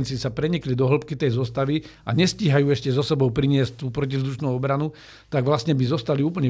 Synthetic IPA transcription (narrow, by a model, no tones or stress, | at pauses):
nt͡sisapɾɛɲiklid̪ɔɦl̩pkit̪ɛjzɔst̪aʋiaɲɛsciːɦajuːɛʃcɛzɔsɛbɔʊpɾiɲɪɛsc̚t̪uːpɾɔcivzd̪uʃnuːɔbɾanu | t̪aɡʋlast̪ɲɛbizɔst̪aliuːp̬əɲɛ